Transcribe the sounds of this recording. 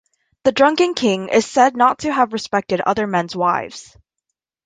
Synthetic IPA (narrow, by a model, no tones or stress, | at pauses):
ðɨdɹʌ̃ŋkɪ̃ŋkʰɪ̃ŋɪ̰z̥sɛdⁿnətʰɨːvɹɨspɛk̚tɨɾʌ̰ðə˞mɛ̃nzwaɪvz̥